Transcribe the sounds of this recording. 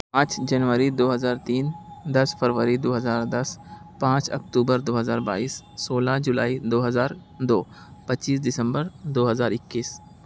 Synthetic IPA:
at͡ʃd͡ʒɐnʋəɾid̪oːɦəzaːɾt̪iːnd̪ɐsfəɾʋəɾid̪oːɦɐzaːɾd̪ɐs | pãːt͡ʃɐ̰k̚t̪uːbəɾd̪oːɦəzaːɾba̰ːiːsːoːlad͡ʒʊlaːid̪oːɦɐzaːɾ | d̪oː | pɐt͡ʃiːs̬d̪ɪsə̃mbəɾd̪oːɦəzaːɾɪkːiːs

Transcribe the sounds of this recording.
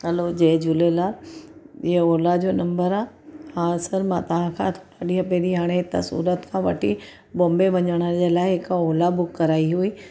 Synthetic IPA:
ɦɐlod͡ʑeːd͡ʑʊlelaː | ɪɦəoːlad͡ʑoːnɐ̃mbəɾaː | hãːsɐɾmãt̪ɐʋ̤ãkʰãt̪ʰoaɗiɦɐpeːɗiɦaːɽ̃et̪ɐ̰sṵːɾət̪kʰãʋɐ̰ʈʰi | bõːmbeʋɐɲəɽ̃əd͡ʑeːlaːɪɦɪkoːlabʊkːɐɾaːiɦuiː

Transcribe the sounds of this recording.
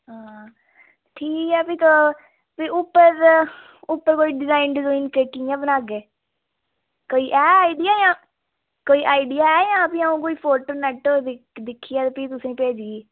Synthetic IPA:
ɦaː | ʈʰiːkɛːpiːt̪o | piːʊpːəɾ | ʊpːəɾkoːiːɖɪzaːɪɳɖd͡ʒõːɪnkeːkiãːbənaːɡeː | koːiːʔɛːaːiɖɪjaːjãː | koːiːʔaːɪɖɪjaːɛːjãːpĩaũːkoːiːpʰoːʈoːnɛːʈoɪ | d̪ɪkʰːiːɛːt̪ːpiːt̪ʊsẽːpeːd͡ʒɡiː

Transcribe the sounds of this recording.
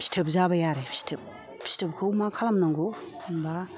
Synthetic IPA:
si̥tʰɯp̚zabajaɾe̥si̥tʰɯp̚ | si̥tʰɯp̚kʰɯwmakʰalamnaŋɡomba

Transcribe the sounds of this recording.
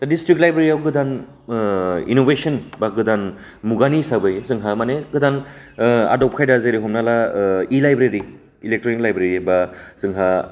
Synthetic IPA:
tadistɾiklajbɾeɾiawɡɯdan | ḭnobesɔnbaɡɯdan | muɡanisabɯjzɯŋɦamaneɡɯdan | a̰dɔp̚kʰajdazeɾiɦɔmnalailajbɾeɾi | ilek̚tɾonik̚lajbɾeɾibaz̥ɯŋɦa

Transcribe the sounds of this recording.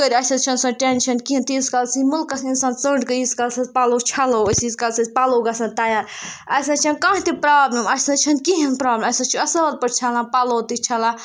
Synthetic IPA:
kəɾʲɐsɐt͡ʃʰɐnsɐ̃ʈenʃʰɐnkiɦĩnt̪iskɐlsimʊlkɐsinsaːnt͡səːɳɖkəiskɐlsɐspɐloːt͡ʃʰɐloəsiskɐlsɐspɐloːɡɐsɐ̃nt̪ɐjaːɾɐsɐt͡ʃʰɐnkaɦt̪ipɾaːblʲɐmɐsɐt͡ʃʰɐnkiɦɐnpɾaːblʲmɐsɐt͡ʃʰuɐsɐɐl̚pɐɾt͡ʃʰɐlãːpɐloːt̪it͡ʃʰɐlãː

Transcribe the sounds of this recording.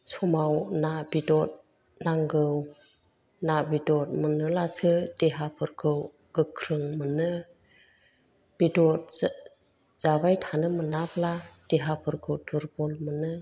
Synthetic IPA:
sʰɔmawnabidɔt̚ | naŋɡɯw | nabidɔt̚mɯnɯlasʰɯd̥eɦapʰɯɾɡʰɯw | ɡ̥ɯkʰɾɯŋmɯnɯ | b̥idɔt̚ | z̥abajtʰanɯmɯnaplad̥eɦapʰɯɾkʰɯwtʰuɾbɔlmɯnɯ

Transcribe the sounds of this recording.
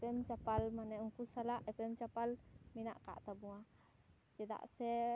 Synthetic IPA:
ɛpɛmt͡ʃapalmanɛuŋkusalaʔɛpɛmt͡ʃapalmina̰ʔka̰ʔt̪abuwa | d͡ʒɛd̪a̰ʔsɛ

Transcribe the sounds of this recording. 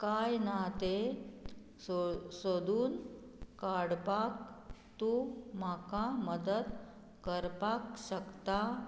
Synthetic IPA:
kajnat̪e | osod̪uːnkaɽpak̚t̪um̤akaməd̪əd̪ | kəɾpakɕəkt̪a

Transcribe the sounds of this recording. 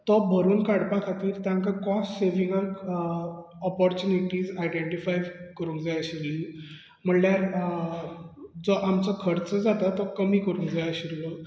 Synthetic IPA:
t̪ɔbʱəɾuːnkaɽpakʰat̪iːɾt̪jãŋkakɔsʈseʋiŋɡəɾ | ɔpɔɾt͡ɕuniʈiːd͡zajɖeɳʈifajʋkəɾũŋɡd͡zajaɕiɾli | m̤əɳljaɾ | d͡zɔʔamt͡sɔkʰəɾt͡səd͡zat̪at̪ːɔkəmiːkəɾũŋɡd͡zajaɕiɾlɔ

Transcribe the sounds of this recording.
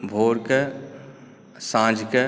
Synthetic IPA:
bʱoːɾkə | sãːd͡ʒkə

